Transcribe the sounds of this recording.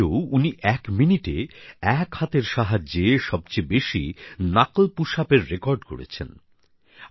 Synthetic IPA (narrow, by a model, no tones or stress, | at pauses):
uniʔɛkminiʈeɛkhat̪eɾʃaɦad͡ʑd͡ʑeʃɔb̚t͡ɕebeʃḭnaklpuʃapeɾːekɔɾɖko̰ɽḛt͡ɕʰḛn